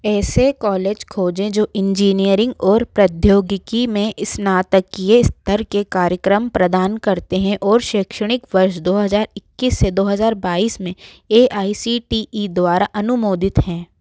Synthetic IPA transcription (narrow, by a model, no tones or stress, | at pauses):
ɛːsekɔːleːd͡ʒkʰoːd͡ʒẽd͡ʒoːʔɪ̃ɲd͡ʒiːnijəɾɪ̃ŋɡɔːɾpɾɐd̪ʱjoːɡɪkimẽʔɪsnaːt̪əkijeɪst̪ʰəɾkekaːɾjəkɾəmpɾɐd̪aːnkɐɾt̪eɦɛ̃ʔɔːɾʃeːkʃəɽ̃ɪkʋɐɾʃd̪oːɦɐzaːɾɪkːiːsːed̪oːɦɐzaːɾbaːiːsmẽ | eːʔaːisiʈiid̪waːɾaʔɐnʊmoːd̪ɪt̪ɦɛ̃ː